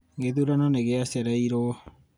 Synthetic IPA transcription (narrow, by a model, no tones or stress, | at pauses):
ɡeðuɾanɔneɣeasaɾɛiɾo